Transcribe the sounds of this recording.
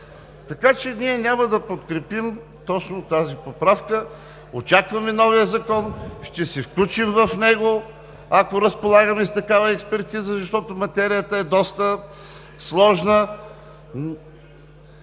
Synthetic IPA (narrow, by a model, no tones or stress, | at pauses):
t̪ɐkat͡ʃɛniɛnʲamɐd̪ɐpot̪kɾɛpim | t̪ɔt͡ʃnot̪azipopɾafkə | ot͡ʃakvɐmɛnɔvijəzɐkɔnʃt̪ɛsɛfklʲut͡ʃimvɐfnɛɡo | ɐkoɾəspolˠaɡəmɛst̪ɐkavɐɛkspɛɾt̪izəzɐʃt̪ɔt̪omɐt̪ɛɾijət̪əɛd̪ɔst̪ə | slˠɔʒnə